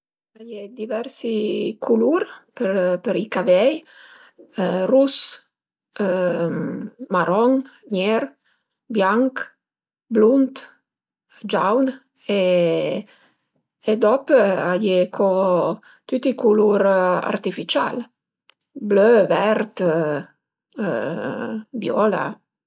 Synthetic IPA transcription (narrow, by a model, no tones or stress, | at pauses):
ajed̪ivɛɾsikʰuluɾpəɾpəɾikavɛj | rus | maɾɔŋɲɛɾ | bjaŋk | blunt̪ | d͡ʒawn | e | ed̪ɔpəajekʰɔ | t̪yt̪ikuluɾa̰ɾt̪ifit͡ʃa̰l | bløvɛɾt̪ | bjɔla̰